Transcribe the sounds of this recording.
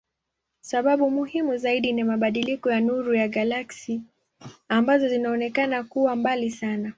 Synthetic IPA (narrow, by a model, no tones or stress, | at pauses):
saɓaɓumuhimuzaiɗinimaɓaɗilikɔjanuɾujaɠalaksi | ambazɔzinaɔnɛkanakuwambalisana